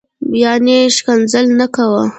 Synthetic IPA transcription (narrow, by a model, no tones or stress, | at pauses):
jɑneʃkanzəlnakawə